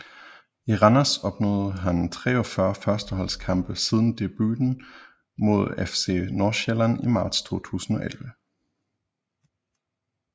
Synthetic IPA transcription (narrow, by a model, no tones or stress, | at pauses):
iʁɑnæsɒ̽b̥nɔːðˠɦænt͡sʰʁɛ̰ːɒ̽fɶɐfɶɐsd̥əɦɒ̽lskʰɑ̈mb̥əsið̞ˠn̩d̥e̝b̥y̰ːd̥n̩ | mo̝ð̞ˠefsḛːnoːɕelænimɑ̈ːd̥st͡sʰo̝̰ːt͡sʰṵːsn̩ɒ̽ʔelʋə